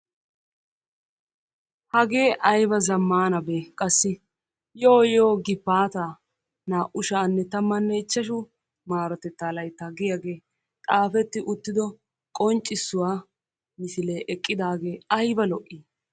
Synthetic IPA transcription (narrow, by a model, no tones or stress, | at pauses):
hɐɡe̞ːʔɐjbɐzɐmːaːnɐbeːkʼɐsːɪ | joːjoːɡɪbːaːt̪aː | naːʔʊʃaːnːɛt̪ɐmːɐnːɛɪt͡ʃːɐʃʊ | maːɾɐt̪ɛt̪ːaːlɐjt̪ːaːɡɪjaɡe̞ː | t̪ʼaːfɛt̪ːɪʔʊt̪ːɪd̪ɔ | kʼɔnt͡ʃʼːɪsːʊwaː | mɪsɪle̞ːʔɛkʼːɪd̪aːɡe̞ːɐjbɐlɔʔːiː